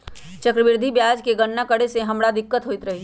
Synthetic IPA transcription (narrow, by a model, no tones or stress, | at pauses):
t͡ʃɐkɾəʋɪɾd̪ʱibjaːd͡ʒkeɡənːakəɽeseɦɐmɽad̪ɪkːət̪ɦoːɪt̪ɾɐɦi